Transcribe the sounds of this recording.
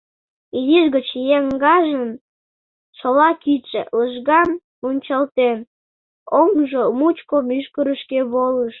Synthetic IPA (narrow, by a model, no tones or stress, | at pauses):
idiʒɣət͡ɕjeŋɡɑʒən | ʃolɑkit͡ʃḛləʒɣɑm | unʲt͡ɕɑlt̪en | oŋʒomut͡ɕkomyʃkəɾəʃkeβoləʃ